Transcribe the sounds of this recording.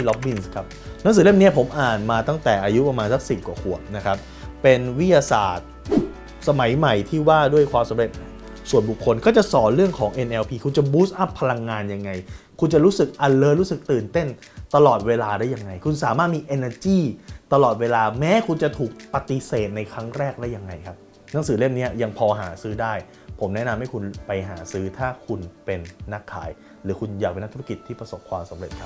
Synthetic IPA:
i˧˩lɔ˦˥p̚mi˦˥˩nskʰa˦˥p̚n˧˦˥ŋsɯː˨˦le˥˩mni˦˥ɐpʰo˩˦mʔaː˨˩nmaː˧t̪a˥˩ŋt̪ɛː˨˩ʔaː˧ju˦˥pɾa˧maː˧nsa˦˥k̚si˨˩p̚kwaː˨˩kʰu˨˩ək̚na˦˥kʰa˦˥p̚ː | e˧nwi˦˥t̪̚jaː˧sa̰ː˨˩t̪̚ | sa˧ma˩˦jma˨˩jt̪ʰiː˥˩waː˥˩du˥˩əjkʰwaː˧msa˨˦mɾe˨˩t̪̚ | su˨˩ənbu˨˩kʰːo˧nkʰɔː˥˩t͡ɕa˨˩sɔː˩˦nɾɯ˥˩əŋkʰɔː˩˦ŋʔe˧nʔɛː˧wpʰiː˧kʰu˧nt͡ɕa˨˩buː˦˥sʔa˦˥pʰːa˧la˧ŋːaː˧nja˧ŋːa˧j | kʰu˧nt͡ɕa˨˩ɾuː˦˥sɯ˨˩k̚ʔa˨˩lːɤː˧ɾuː˦˥sɯ˨˩k̚t̪ɯː˨˩nt̪e˥˩n | t̪a˧lɔː˨˩t̪̚weː˧laː˧daː˥˩ja˧ŋːa˧jkʰu˧nsaː˩˦maː˥˩t̪̚miː˧ʔe˧nə˧t͡ɕiː˥˩t̪a˧lɔː˨˩t̪̚weː˧laː˧mɛː˦˥kʰu˧nt͡ɕa˨˩t̪ʰuː˨˩k̚pa˧t̪i˧seː˨˩t̪̚na˧jkʰɾa˦˥ŋɾɛː˥˩k̚lɛ˦˥ja˧ŋːa˧jkʰa˦˥p̚ | na˩˦ŋsɯː˩˦le˥˩mni˦˥ɐja˧ŋpʰɔː˧ɦaː˩˦sɯː˦˥daː˥˩j | pʰo˩˦mnɛ˦˥ʔna˧mha˥˩jkʰu˧npa˧jɦa̰ː˩˦sɯː˦˥t̪ʰaː˥˩kʰu˧npe˧nːa˦˥˩kʰːa̰ː˨˩˦j | ɾɯː˩˦kʰu˧njaː˨˩k̚e˧nː˦˥t̪ʰu˦˥ki˨˩t̪ʰːiː˥˩pɾa˧so˨˩p̚kʰwaː˧msa˩˦mɾe˨˩t̪̚kʰa˦˥p̚

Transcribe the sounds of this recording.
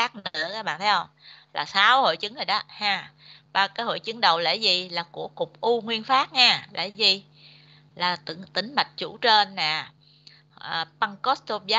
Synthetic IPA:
aː˦˥k̚nɨ˧˥əkaː˦˥k̚ɓa̰ː˧˨nt̪ʰə˨˦jhə˧wŋ͡mla̰ː˨˩saː˨˦who̰˧˨jt͡ɕɨ˨˦ŋə˨˩jɗɔː˨˦haː˧˩ | ɓaː˧˩kaː˨˦jho̰˧˨jt͡ɕɨ˨˦ŋɗə˨˩wlḛ˧˥zi˨˩laː˨˩ku˧˩əkʊ˨˩k͡p̚ʔu˧ŋwi˧ənfaː˦˥t̚ɲaː˧˩lḛ˧˩˦zi˨˩ | laː˨˩t̪t̪ï˧˩˦ŋ̟ma˨˩jk̟̚t͡ɕu˧˩t͡ɕe˧nːaː˨˩ | ʔəː˨˩pa˧ŋkɔ˦˥st̪o˧ɓja˦

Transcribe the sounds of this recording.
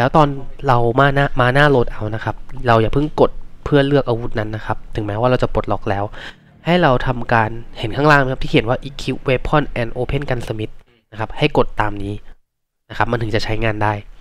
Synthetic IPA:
lɛː˦˥wt̪ɔː˧nɾa˧wmaː˧˩naː˥˩maː˧naː˥˩loː˨˩t̪̚ʔa˧wna˦˥kʰa˦˥p̚ɾa˧wjaː˨˩pʰɯ˥˩ŋko˨˩t̪̚pʰɯ˥˩ɐlɯ˥˩ək̚ʔaː˧wu˦˥t̪̚na˦˥nːa˦˥kʰa˦˥p̚t̪ʰɯ˨˩˦ŋmɛː˦˥waː˥˩ɾa˧wt͡ɕa˨˩po˨˩t̪̚lɔ˦˥k̚lɛː˦˥w | ha˥˩jɾa˧wt̪ʰa˧mkaː˧nhe˨˩˦nkʰaː˥˩ŋlaː˥˩ŋn˧kʰa˦˥t̪iː˥˩ki˩ə˦waː˥˩ʔiː˨˦˩kʰːi˦˥weː˦˧pʰɔ˥˩nʔɛː˧nʔoː˧pʰe˥˩nka˧nsa˧mi˦˥t̪̚ | na˦˥kʰa˦˥p̚ha˥˩jko˨˩t̪ːaː˧mniː˦˥ | na˦˥kʰa˦˥p̚ma˧nʰɯ˩˦t͡ɕa˨˩t͡ɕʰa˦˥jŋaː˧ndaː˥˩j

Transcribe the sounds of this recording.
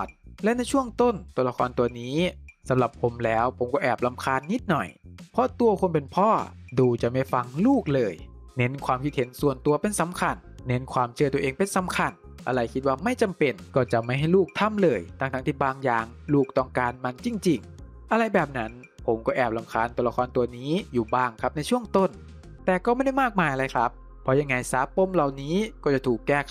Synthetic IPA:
ɔ˨˩t̪̚lɛ˦˥ʔna˧˥˩jt͡ɕʰu˥˩əŋt̪o˥˩nt̪u˧əla˧kʰɔː˧nt̪u˧ɐniː˦˥sa˨˦mla˨˩pʰːo˩˦mlɛː˦˥wpʰo˩˦mkɔː˥˩ʔɛː˨˩p̚la˧mkʰaː˧˥nːi˦˥t̪̚nɔ̰˨˩jpʰɔ˦˥t̪u˧ɐkʰo˧npe˧npʰɔː˥˩ | duː˧˩t͡ɕa˨˩ma˥˩jfa˧ŋluː˥˩k̚lɤː˧j | ne˦˥nkʰwaː˧mkʰi˦˥t̪̚he˩˦nsu˨˩ənt̪u˧ɐpe˧nsa˨˦mkʰa˧nː | e˦˥nkʰwaː˧mt͡ɕʰɯ˥˩t̪u˧ɐʔeː˧ŋpe˧nsa˨˦mkʰa˧n | ʔa˧ɾa˧jkʰi˦˥t̪̚waː˧˩ma˥˩jt͡ɕa˧mpe˨˩nkɔː˥˩t͡ɕa˨˩ma˥˩jɦa˥˩jluː˥˩k̚t̪ʰa˥˩mlɤː˧˩jt̪ʰa˧˩ŋt̪ʰa˦˥ŋt̪ʰiː˥˩baː˧ŋjaː˧˩ŋ | luː˥˩k̚t̪ɔ˥˩ŋkaː˧nma˧nt͡ɕi˧ŋt͡ɕi˨˧˩ŋ | ʔa˧ɾa˧jbɛː˨˩p̚na˦˥n | pʰo˩˦mkɔː˥˩ʔɛː˨˩p̚la˧mkʰaː˧nt̪u˧la˧kʰɔː˧nt̪u˧ɐniː˦˥juː˨˩baː˧˩ŋkʰa˦˥p̚na˧jt͡ɕʰu˥˩əŋt̪o˥˩n | t̪ɛː˨˩kɔː˥˩ma˥˩jda˥˩jmaː˥˩k̚maː˧jʔa˧ɾa˧jkʰɾa˦˥pʰːɔ˧˥ja˧ŋːa˧jsaː˨˦pːo˧˥˨mla˨˩wniː˦˥kɔː˥˩t͡ɕa˨˩t̪ʰuː˨˩kːɛː˥˩

